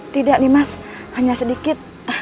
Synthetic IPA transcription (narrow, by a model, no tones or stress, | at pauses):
t̪idak̚nimashaɲasədikɪt̪̚